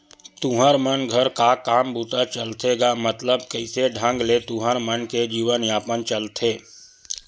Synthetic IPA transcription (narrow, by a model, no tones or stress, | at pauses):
t̪ũɦəɾmənɡʱəɾkakaːmbuːt̪at͡ʃəlt̪eːɡamət̪ləbkəɪseɖʱə̃ŋɡlet̪ũɦəɾmənked͡ʒiːʋənjaːpənt͡ʃəlt̪ʰeː